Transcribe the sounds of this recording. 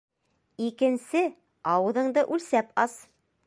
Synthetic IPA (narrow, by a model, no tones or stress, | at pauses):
ikɘ̆nsɘ | ɑwɤ̆ðɤ̆ɴd̪ɤʔʉlsæpɑs